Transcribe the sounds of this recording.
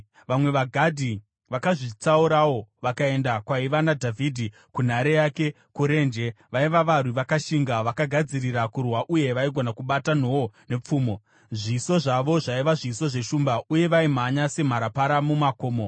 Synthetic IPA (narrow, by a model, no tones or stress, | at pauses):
ʋamwe̞ʋaɡʱadʱi | ʋakaʐit͡sauɾawoʋakae̞ndakwaiʋanadʱavʱidʱi | kun̤aɾejake̞ | kuɾe̞nd͡ʒe̞ | ʋaiʋaʋariʋakaʃiŋɡaʋakaɡʱad͡zirirakurwaʔuje̞ʋaiɡʱo̞nakuɓatan̤oone̞p͡fuːmo | ʐiso̞ʐaʋo̞ʐaiʋaʐiso̞ʐe̞ʃumbauje̞ʋaim̤aɲase̞m̤aɾapaɾamumakoːmo